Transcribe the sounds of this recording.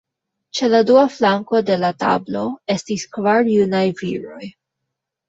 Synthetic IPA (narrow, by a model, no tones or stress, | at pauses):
t͡ʃe̞laduaflaŋko̞de̞lata̰blo̞e̞stiskvaɾjunajviɾo̞j